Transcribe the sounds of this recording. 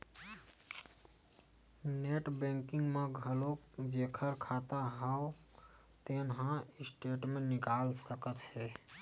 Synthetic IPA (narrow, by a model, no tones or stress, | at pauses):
neʈbẽŋkɪŋɡmeɡʱəlod͡ʒekʰəɾkʰat̪aɦəo | t̪enɦãɪsʈeʈmẽnːɪkaːlsəkət̪hɛ